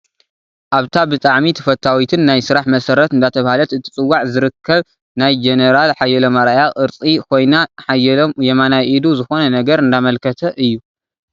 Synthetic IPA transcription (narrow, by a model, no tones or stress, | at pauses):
ʔaβt̪ʰabɨt̪ʼaʕmit̪ʰɐ̥fɐt̪ʰːawit̪ʰɨnːajsɨɾaħmɐsɐɾɐt̪ɨnd̪at̪ʰɐβahalɐt̪ɨt̪ʰi̥t͡sʼɨwːaʕzɨɾɨkʰːɐβ | najd͡ʒeneɾalħajːɛlɐmɐɾajaxʔɨɾt͡sʼikʰo̞jnaħajɛlomjɛmanaʔid̪uzɨxo̞nɐnɐɡɐɾɨnd̪amɐlkʰɐt̪ʰɐʔɨjːu